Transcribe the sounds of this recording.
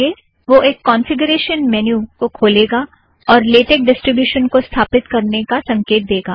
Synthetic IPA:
e | ʋoʔeːkːɔ̃ːnfɪɡəɾeːʃənmɛːnjukokʰoːleːɡa | ɔːɾleːʈeːk̚ɖɪsʈɾɪbjuːʃənkost̪ʰaːpɪt̪kɐɾnekasɐ̃ŋkeːt̪̚d̪eːɡaː

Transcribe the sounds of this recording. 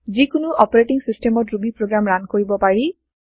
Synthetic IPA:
zikʊnʊʔɔpɔɹeʈiŋsistɛmɔtɹubipɹoɡɹamɹankoɹibɔpaɹi

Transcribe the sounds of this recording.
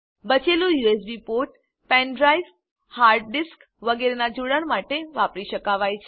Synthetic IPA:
bət͡ʃelũjues̬bipoʈ | pɛ̃nɖɾajf | haɾɖ̚ɖisk | ʋəɡeɾenad͡ʒuɽəɳmaʈeʋapɾiʃəkaʋajt͡ʃʰe

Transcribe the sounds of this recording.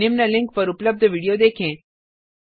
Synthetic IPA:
ɪmnəlɪ̃ŋk̚pəɾʊpləb̚d̪ʱəʋiɽijod̪eːkʰẽː

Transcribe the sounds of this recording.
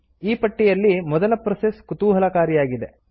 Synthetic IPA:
iːpɐʈːijɐlːimɔd̪ɐlɐpɾɐseskut̪uːɦɐlɐkaːɾijaːɡid̪e

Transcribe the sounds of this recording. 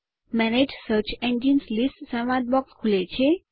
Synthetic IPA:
mɛned͡ʒsəɾt͡ʃʰẽɲd͡ʒinslisʈsənʋad̪̚bɔkskʰulet͡ʃʰe

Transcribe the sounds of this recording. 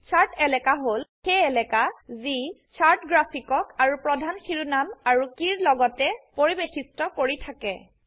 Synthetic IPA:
saɹtɛlɛkaɦolxeɛlɛkazisaɹtɡɹapʰikɔkaɹupɹɔdʱanxiɹunamaɹukiɹlɔɡɔtɛpoɹibexistɔkoɹitʰakɛ̰

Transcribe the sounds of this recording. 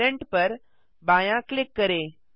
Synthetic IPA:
eɳʈpəɾ | bajãklikːəɾe

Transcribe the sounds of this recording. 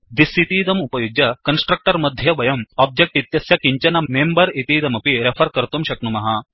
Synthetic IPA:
d̪isit̪iːd̪ɐmupɐjuɡɐkɐnsʈɾɐk̚ʈɐɾmɐd̪ʱjɐʋɐjɐmɔb̚d͡ʒek̚ʈit̪jɐsjɐkiɲt͡ɕɐnɐmembɐɾit̪iːd̪ɐmɐpiɾepʰɐɾkɐɾt̪umɕɐknumɐɦa

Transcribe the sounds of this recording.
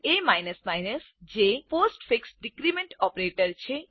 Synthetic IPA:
emajnəsmajnəs | d͡ʒeposʈfʰiksɖikɾimeɳʈɔpɾeʈəɾt͡ʃʰe

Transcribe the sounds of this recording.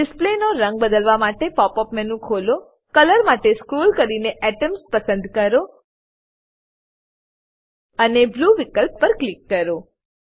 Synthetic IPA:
ɖɪsplenoɾə̃ŋɡ̚bəd̪əlʋamaʈepɔpɔpmɛnũkʰolo | kələɾmaʈeskɾulkəɾineʔɛʈəmspəsə̃nd̪kəɾo | ənebluʋikəlpːəɾklikːəɾo

